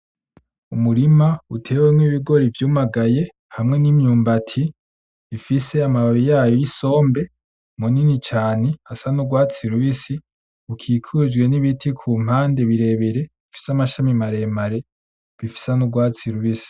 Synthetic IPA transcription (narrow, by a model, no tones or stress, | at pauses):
umuɾimautʰe̞ːwemŋiβiɡo̞ɾivjuːmaɡaje̞ | hamŋe̞nimɲuːmbatʰi | βifise̞amaβaβijaːjojiso̞ːmbe̞ | muninit͡ʃaːne̞asanuɡwaːt͡siɾuβisi | ukʰiːkʰud͡ʒɡwe̞niβitʰikʰuːm̥haːnde̞βiɾe̞βeɾe̞βifi̥samaʃamimaɾe̞maɾe̞ | βifi̥sanuɡwaːt͡siɾuβisi̥